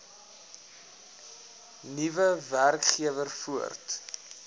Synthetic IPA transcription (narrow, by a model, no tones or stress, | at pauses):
nivəværkχiəvərfuə̰rt